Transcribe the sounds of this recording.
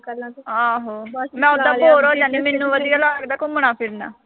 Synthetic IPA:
aːɦoːmɛ̃ːʊd̪ãːpoːɾoːd͡ʒaːniːmenːũːʋəd̪ijaːlaːkəɾd̪aːkoməɽ̃ãːpʰɪɾna̰ː

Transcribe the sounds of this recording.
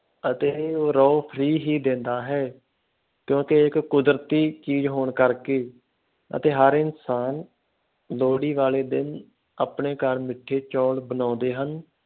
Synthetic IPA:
ət̪eːoːɾɔːpʰɾiːɦiːd̪ẽːnd̪aːɦɛː | kjõːkeɪkːʊd̪ɾt̪iːt͡ʃiːd͡ʒɦoːɳkəɾkeː | ə̰t̪eːɦəɾɪnsaːn | loːɽiːʋaːleːd̪ɪn | aːpɳeːkəɾmɪʈʰːeːt͡ʃɔːɽbənãːd̪eːɦən

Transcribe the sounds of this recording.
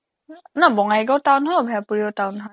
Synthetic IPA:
nabɔŋaɡɔʊtawnɦɔjbʱɛapuɹiɔʊtaʊnɦɔj

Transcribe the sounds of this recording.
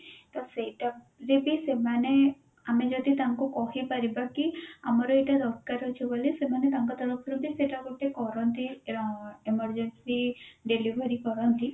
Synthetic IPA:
t̪ɔseʈa | ɾibisemane | amed͡ʒɔd̪it̪aŋkukɔɦipaɾibakiamɔɾɔeʈaɾɔkkaɾɔt͡ʃʰubolisemanet̪aŋkɔt̪ɔɾɔpʰɾubʱiseʈakoʈekɔɾɔnt̪i | eməɾd͡ʒensiɖelibʱəɾikɔɾɔnt̪i

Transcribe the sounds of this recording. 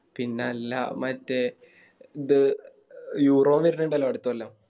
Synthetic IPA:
pinːeɐlːa̰mɐtːe | id̪ɨ | juːroːmiɾneɳɖɐlːɐːɐɽut̪ːuʋɐlːam

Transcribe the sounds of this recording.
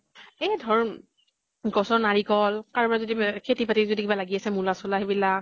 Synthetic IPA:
ejdʱɔɹ | ɡɔsɔɹnaɹikɔlkaɹbaɹɛzodikʰetipatizodikibalaɡiasɛmulasɔlaɦibilak

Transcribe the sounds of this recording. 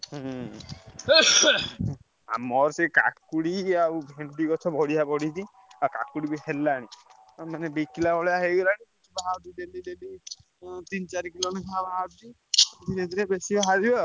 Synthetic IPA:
ɦ | a̰mɔɾseka̰kuɽiaubʱeɳʈikɔt͡ʃʰɔbɔɽiabɔɽid͡ʒ̪i | aka̰kuɽibiɦelːaɽ̃i | manebikilabʱɔɭɔjaɦeɡɔlaɽ̃ĩ | ibaɦawd̪iɖeliɖeli | t̪int͡ʃaɾikilonikabaɦad̪i | d̪iɾed̪iɾebesibʱaɦaɾibɔ

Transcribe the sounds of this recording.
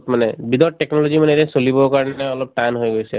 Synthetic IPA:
tmanɛbid̪ɔɹʈɛknɔlozimanɛɾɛsolibɔkaɹɔnɛɔlɔp̚ʈajnɦojɡojsɛ̰

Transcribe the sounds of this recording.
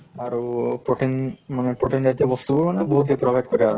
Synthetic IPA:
aɾpɾoʈʰinmanepɾoʈind͡ʑad̪abɔst̪uboanebɔɦut̪ːepɾɔbʱajʈ̚koɾeaɾ

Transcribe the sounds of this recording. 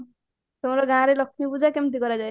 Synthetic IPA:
sɔw̃ɾʌɡãɾelʌkʰnibud͡zakemt̪̬iɡʌɾad͡zaj

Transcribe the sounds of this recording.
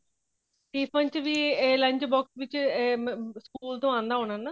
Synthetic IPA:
ʈiːpʰə̃ɲt͡ʃʋiːeːlə̃ɲd͡ʒbɔːksʋɪt͡ʃː | skuːlt̪õːãːnd̪aːɦõːnənːa

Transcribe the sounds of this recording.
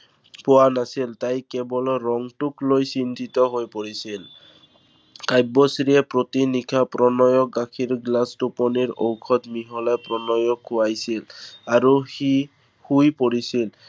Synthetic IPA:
pʊwanasiltajkɛbɔlɔɹɔŋtuklojsindʱitɔɦojpoɹisil | kajbɔsɹiɛpɹotinikʰapɹɔnɔjɔk̚ɡakʰiɹɡlastupɔniɹowkʰɔtmiɦɔlajpɹɔnɔjɔkːʊwajsilaɹuxi | hujpoɹisil

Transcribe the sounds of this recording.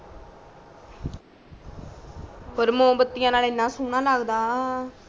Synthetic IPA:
ɔɾɯmoːbɐt̪ːɪjaːnaːlenːãːsuːnːaːlaːɣɯd̪aː

